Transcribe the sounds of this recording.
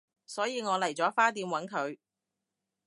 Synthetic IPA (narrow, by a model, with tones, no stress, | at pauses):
sɔː˨˥jiː˨˧ŋɔː˨˧lɐ˨˩jt͡sɔː˨˥faː˥t̪iː˨˧mwɐ˨˥nkʰɵ˨˧ɥ